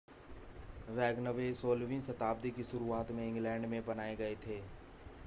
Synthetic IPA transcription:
ʋɛːɡnəʋesoːlʋĩnsɐt̪aːb̚d̪ikisʊɾuaːt̪mẽɪ̃ŋɡlɛ̃ːɳɖmẽbɐnaːeɡɐet̪ʰeː

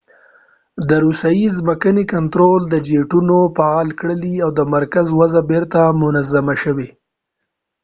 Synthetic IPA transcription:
d̪əɾusajizməkənekant̪ɾold̪əd͡ʒeʈunopɑlkɽəliawd̪əmaɾkazwazabeɾt̪amʊnazamaʃəwe

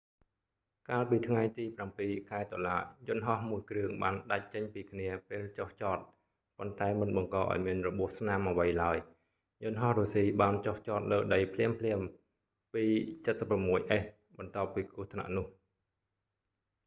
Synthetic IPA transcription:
kaːlpiːt̪ʰŋajt̪iːprampiːkʰaɛt̪oəlaːjʊ̆nɦɑhmuəjkrɨəŋɓaːnɗac̚t͡ɕəɲpiːkʰniəpeːlt͡ɕoht͡ɕɑːt̪̚ | pont̪aɛmɨnɓɑŋkɑːʔa̰ɔjmiənrɔɓuəhsnamʔəʋəjlaəj | jʊ̆nɦɑhroːsiːɓaːnt͡ɕoht͡ɕɑːt̪̚ləːɗəjpʰliəmpʰliəm | piːt͡ɕɨt̪̚səpːramːuəjʔəːh | ɓɑnt̪ŏəpːiːkʊ̆əht̪ʰna̰ʔnʊ̆əh

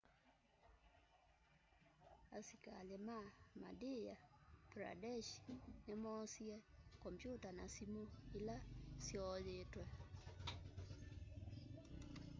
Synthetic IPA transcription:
a̰sika̰lemama̰dejapɾa̰dɛʃnɛmɔsiɛkɔmpjutanasimuilasjɔjetwɛ

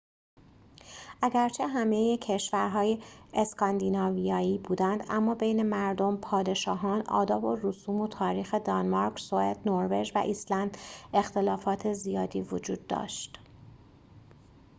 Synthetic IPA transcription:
ʔæɟæɾt͡ʃʰe̞ɦæmejecʰe̞ʃvæɾɦɒːjeːskʰɒnd̪iːnɒːvijɒːiːbuːd̪ænd̪æ̰mːɒːbe̞jne̞mæɾd̪o̞mpʰɒːd̪e̞ʃɒːɦɒːnɒ̰ːd̪ɒːbo̞rusuːmo̞t̪ʰɒːɾiːxe̞d̪ɒnmɑɾkʰsoed̪̥noɾve̞d͡ʒvæ̰ʔislænd̪e̞xt̪e̞lɒːfɒːt̪ʰe̞zijɒːd̪iːvod͡ʒuːd̪ːɒ̰ːʃt̪

